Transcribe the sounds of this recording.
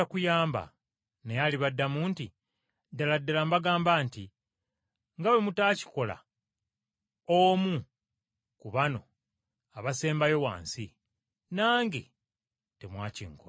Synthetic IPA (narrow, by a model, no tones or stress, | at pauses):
akujaːmba̰ | nejaliβadːamuːnti | dːaladːalambaɡaːmbaːnti | ŋɡawe̞mutaːci̥ko̞la̰ | omu | kuβano̞̰ | aβase̞ːmbajo̞wa̰ːnsi | naːŋɡe̞̰ | te̞mwaːciːŋko